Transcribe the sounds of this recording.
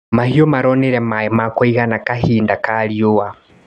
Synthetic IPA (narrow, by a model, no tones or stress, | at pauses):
mahiomaɾɔneɾɛmamakoiɣanakaɦiːndakaɾiowa